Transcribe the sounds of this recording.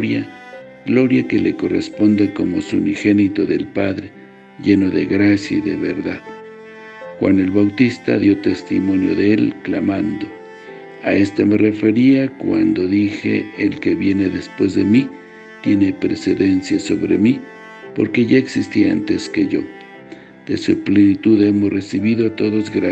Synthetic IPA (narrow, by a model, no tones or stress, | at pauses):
ɾja | ɡlo̞ɾjakeleko̞rḛspond̪akomosunixenit̪oðelpaðɾe | ʝenoðeɣɾasjaiðeβeɾðað | xwa̰nelβawt̪ist̪a̰ðjo̞t̪est̪imo̞njo̰ðeelklamand̪o | aest̪emerefeɾiakwa̰nd̪oðixḛːlkeβjeneðespwezðḛmi | t̪je̞nepɾeseðensjasoβɾḛmi | po̰ɾkeʝaeksist̪iaa̰nt̪eskeʝo̰ | d̪̥esuplenit̪uðemosresiβiðot̪oðozɣɾa